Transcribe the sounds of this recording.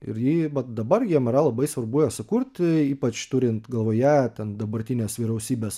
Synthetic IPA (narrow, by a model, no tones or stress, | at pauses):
ɪ̰ɾjiːʋɐt̪d̪ɐbɐrjʲiɛmʲɪɾɐlˠɐbɐɪsʋɐrbʊjɛsʊkuɾt̪ʲiːpɐt͡ʃt̪ʊɾʲɪnt̪ɡɐlˠʋoːjæt̪ʲɛnd̪ɐbɐɾʲt̪ʲɪnʲeːsʋʲiːɾɛʊsʲiːbʲeːs